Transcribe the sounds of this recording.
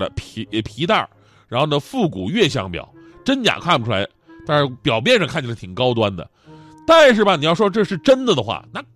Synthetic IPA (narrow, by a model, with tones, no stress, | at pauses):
ə̰˧˩pʰpʰi˧˥t̪a̰˥˩ | ɻa˧˥nxo˥˧ʊna˧˩fu˥˩ku˨˩ɥɛ˥˩ɕjɑ̰˥˩ŋpjɑ̰˨˩˦ʊ | ʈ͡ʂə˥nt͡ɕja̰˨˩kʰwa˥˩pu˩ʈ͡ʂʰu˥la̰˧˥ɪ | t̪a˥˧nʂɻ̩˥˩pjɑ˨˩ʊmjɛ˥˧nʂɑ˥˧ŋʰkʰa˥˩nt͡ɕʰt̪ʰi˨˩ŋkɑ˥ʊt̪wa˥nd̪ə̰˨ | t̪a˥˧nʂɻ̩˥˩bɐ˩ni˨˩jɑ˥˩ʊʂwɔ˥ʈ͡ʂɤ˥˧ʂɻ̩˥˩ʈ͡ʂə˥nd̪ə˨d̪ə˩xwa̰˥˩na˥˩